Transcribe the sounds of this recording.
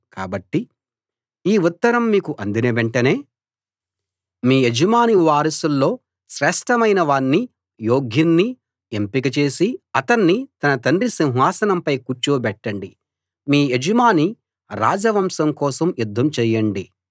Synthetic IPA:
kaːbɐʈːi | iːut̪ːɐɾɐmːiːkuʔɐnd̪inɐʋeɳʈɐne̞ː | miːed͡ʒɐmaːniʋaːɾɐsulːo̞ː | ʃɾɛːʂʈɐmɐjnɐʋaːɳːi | joːɡʱjɐnːi | empikɐt͡ʃe̞ːsiɐt̪ɐɳːit̪ɐnɐt̪ɐɳdɾisiw̃ɦʋaːsɐnɐmpɐjkuɾt͡ʃuːbɛʈːɐɳɖi | miːed͡ʒɐmaːni | ɾa̰ːd͡ʒɐʋɐmsɐmkɔːsɐmjud̪ʱːɐmt͡ʃɛːjɐɳɖi

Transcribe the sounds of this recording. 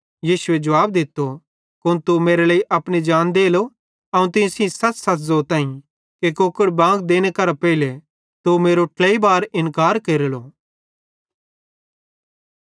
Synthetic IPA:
jiːʃʊed͡ʒɐʋaːb̚d̪ɪt̪ːo | kʊnt̪umeːɾelaːiʔɐpñid͡ʒaːnd̪eːlo | ɐũt̪ɪ̃sĩsɐt͡ʃsɐt̪zoːt̪ãːĩ | kekokəɽbãːɡd̪eːñekɐɾapɛɪle | t̪umeːɾoʈlɛibaːɾɪ̃nkaːɾkeɾlo

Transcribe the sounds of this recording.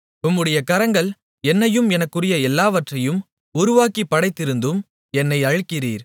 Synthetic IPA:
ʊmːɯɽɐjɐkɐɾɐŋɡɐɭ | ɛnːɐjɯmɛnɐkːɯrɪjɐɛlːaːʋɐʈrɐjɯm | ʊɾʊʋaːkipːɐɽɐɪt̪ːɪɾɯnd̪ɯm | ɛnːɐɪɐɻɯkːɪriːɾ

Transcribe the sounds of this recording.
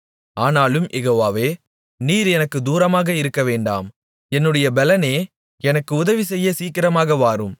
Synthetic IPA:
aːnaːlɯmʔɛɣoːʋaːʋeː | niːɾɛnɐkːɯd̪uːɾɐmaːɣɐɪɾɯkːɐʋeːɳɖa̰ːm | ɛnːɯɽɐjɐbɛlɐneː | ɛnɐkːɯʊðɐʋisɛjːɐsiːkɪɾɐmaːɣɐʋaːɾɯm

